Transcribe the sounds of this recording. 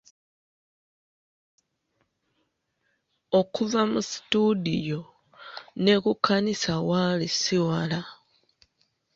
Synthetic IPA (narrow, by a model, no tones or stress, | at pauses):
o̞kuvamusi̥tudijo̞ | ne̞kukʰːanisawalisiwala